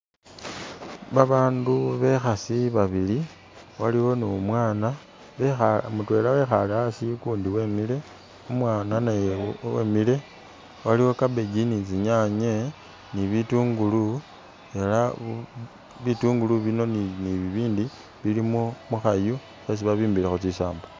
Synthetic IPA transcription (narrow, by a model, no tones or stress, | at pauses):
βaβaːnduβe̞xasiβaβili | waliwo̞neomwaːna | βexamutwe̞ːlawe̞xaleasikuːndiwe̞ːmile̞ | umwaːnanajewḛmile̞ | waliwo̞kabe̞ɡinit͡siɲaɲe̞ | niβituːŋɡulu | e̞la | βituːŋɡuluβino̞niniβiβiːndi | βilimo̞muxaju | xes̬iβaβiːmbilexot͡sisa̰ːmbo